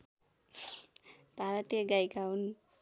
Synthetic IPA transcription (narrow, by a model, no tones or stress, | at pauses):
b̥ʱaɾʌt̪jeɡajɡawn